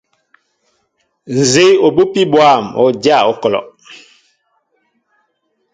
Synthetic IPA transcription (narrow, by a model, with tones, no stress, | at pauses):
n̩˨ze˦o˨bo˦pi˦bwa˦˨mɔ̰˨˦˨d͡ʒa˦˨ɔ˦kɔ˨lɔ̰˨ʔ